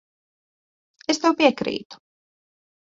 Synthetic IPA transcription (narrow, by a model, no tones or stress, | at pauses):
est̪ɛwpiɛkɾḭːt̪u̥